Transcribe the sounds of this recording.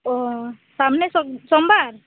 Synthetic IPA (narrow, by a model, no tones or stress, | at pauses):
ɔ | samnesɔsɔmbʱaɾ